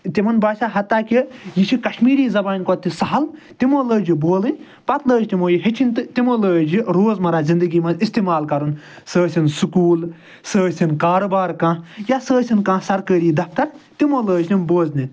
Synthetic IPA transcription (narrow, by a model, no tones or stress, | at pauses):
t̪imɐnbaːʃaːɦɐt̪ːaːkijiʃʰikɐʃmiːɾiːzɐbaːnʲkɔt̪ːisɐɦɐlt̪imoːləːd͡ʒiboːlɨnʲ | pɐt̪ləːt͡ʃt̪imoːjiɦit͡ʃʰinʲt̪ɨt̪imoːləːd͡ʒiɾoːzmɐɾaːzind̪ɨɡiːmɐnist̪imaːlkɐɾun | səːsʲinsukuːl | səːsʲinkaːɾobaːɾkãːjasəːsʲinkãːsɐɾkəːɾiːd̪ɐp̚ʰt̪ɐɾt̪imoləːd͡ʒnʲinboːznʲi